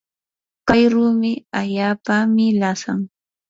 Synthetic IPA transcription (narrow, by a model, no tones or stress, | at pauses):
kajɾumɪaʎaːpamɪlasa̰ŋ